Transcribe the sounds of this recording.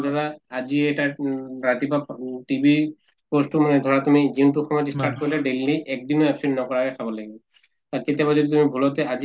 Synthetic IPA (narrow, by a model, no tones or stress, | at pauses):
d̪ʱabaaziɛʈaɹat̪ipaʈibi | postumanɛd̪ʱɔɹat̪umiziunt̬uxɔmɔjɔtstaɹʈ̚koɹilaɖelːiʔɛk̚dinoɛpsinnɔkɔɹakɛkʰabɔlaɡibɔ | t̪aket̪ijabazodit̪̬umibʱulɔt̪ɛaz